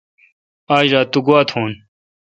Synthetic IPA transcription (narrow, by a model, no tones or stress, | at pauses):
aːd͡ʑɾaːt̪uɡuwaːt̪ʰhuːn